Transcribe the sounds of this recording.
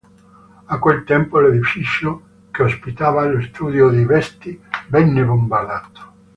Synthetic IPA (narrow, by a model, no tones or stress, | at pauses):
akwelt̪ɛmpoled̪ifit͡ʃjo | keospit̪aːvalost̪uːd̪jod̪ivɛst̪ivɛnːebombalaːt̪o̥